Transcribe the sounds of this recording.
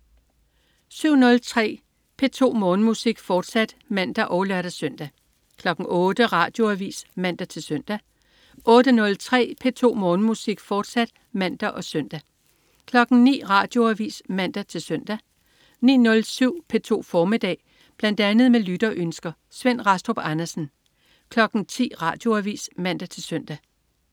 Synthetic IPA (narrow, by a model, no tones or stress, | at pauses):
syʊ̰nɔ̽lt͡sʰʁɛ̰ː | pʰe̝t͡sʰo̝̰ːmɔ̽ːnəmusiɡ̥fɒːd̥sæd̥mæn̰d̥æʔɒ̽ʊlɶɐɾ̥æsœn̰d̥æ | kʰlɒ̽ɡ̥ŋ̩ɔ̽ːd̥əʁɑ̈ːd̥jo̝æʋḭːsmæn̰d̥æt͡sʰe̝lsœn̰d̥æ | ʔɔ̽ːd̥ənɔ̽lt͡sʰʁɛ̰ːpʰe̝t͡sʰo̝̰ːmɔ̽ːnəmusiɡ̥fɒːd̥sæd̥ | mæn̰d̥ɐʔɒ̽sœn̰d̥æ | kʰlɒ̽ɡ̥n̩nḭːʁɑ̈ːd̥jo̝æʋḭːsmæn̰d̥æt͡sʰe̝lsøn̰d̥æ | nḭːnɔ̽lsyʊ̰pʰe̝t͡sʰo̝̰ːfɒːmid̥ɛ̰ː | b̥læn̰d̥ænð̩ˠmelyd̥ɐʔønsɡ̥ɐ | sʋen̰ʁɑsd̥ob̥ɑnɐsn̩ | kʰlɒ̽ɡ̥n̩t͡sʰḭːʁɑ̈ːd̥jo̝æʋḭːsmæn̰d̥æt͡sʰe̝lsøn̰d̥æ